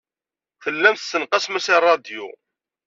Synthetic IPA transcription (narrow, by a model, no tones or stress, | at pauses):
θəlːæmθθːənqəsmæsirˤːɑd̪jṵ